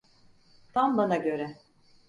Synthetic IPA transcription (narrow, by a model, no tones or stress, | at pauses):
t̪ʰambanaɟø̞ɾɛ